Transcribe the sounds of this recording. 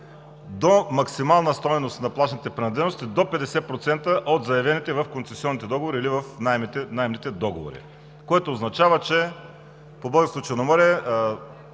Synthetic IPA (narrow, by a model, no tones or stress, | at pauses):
d̪omɐksimalˠnɐst̪ɔjnost̪nɐplˠaʃnit̪ɛpɾɛnɐd̪lɛnost̪id̪opɛd̪ɛsɛpɾot̪sɛnt̪əʔot̪zɐjɐvɛnit̪ɛvɐfkonsɛsiɔnːit̪ɛd̪ɔɡovoɾiːlivɐfnajmt̪ɛnajmnit̪ɛd̪ɔɡovo̰ɾḭ | koɛt̪oːznɐt͡ʃavət͡ʃɛ | pobəɡəsˠut͡ʃɛnomɔɾɛ